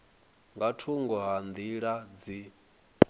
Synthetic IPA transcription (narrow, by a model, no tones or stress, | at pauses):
ŋɡatʰuŋɡɔɦand̪iɺad͡zi